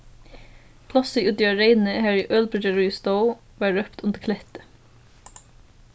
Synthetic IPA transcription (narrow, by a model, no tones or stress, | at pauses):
pʰlɑsəiʔʉd̪ɪɑɹeɪnn̩əhæːɹɪʔœlbədəɹust̪oʊ | ʋɑːɹœpt̪ʊnd̪əkʰlɛt̪ə